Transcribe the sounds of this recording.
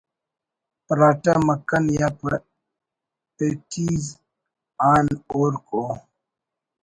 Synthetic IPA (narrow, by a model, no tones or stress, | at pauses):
pɾaʈɐmɐkːɐnjapɐ | etʰiz | aːnoːɾkʼo